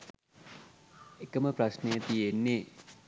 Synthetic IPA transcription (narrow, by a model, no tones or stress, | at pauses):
ekəməprasnejət̪ijenːe